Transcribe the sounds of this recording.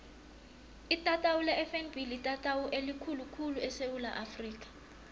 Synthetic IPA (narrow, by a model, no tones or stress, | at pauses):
itʼatʼawulɛɛfɛnbʱilitʼatʼawuʔelikʰulukʰuluɛsewulaʔafriːk̬ʼḁ